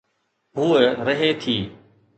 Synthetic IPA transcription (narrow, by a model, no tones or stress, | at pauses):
ɦuːeɾəɦeːt̪ʰiː